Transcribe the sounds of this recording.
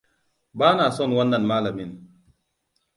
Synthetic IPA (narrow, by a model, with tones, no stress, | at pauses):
ba˦na˨sɔ˦˨nwa˦nːa˨nmaː˦la˨mi˨n